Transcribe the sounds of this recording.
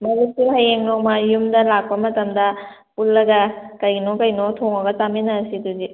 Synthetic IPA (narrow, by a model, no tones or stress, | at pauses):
mɐzisuɦɐjeŋnok̚mɐjumdɐlak̚pɐmɐtɐmdɐ | pulːɐɡɐkɐjnokɐjnotʰoŋɐɡɐt͡ʃaminɐːsiduzi